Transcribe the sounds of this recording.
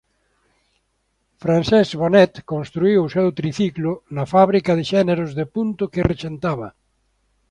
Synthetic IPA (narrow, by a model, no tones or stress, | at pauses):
fɾansɛzβonɛt̪kõnst̪ɾuiwʊsɛwt̪ɾiθiklʊnɐfaβɾikɐðeʃɛneɾʊzðepunt̪ʊkeret͡ʃent̪aβɐ̰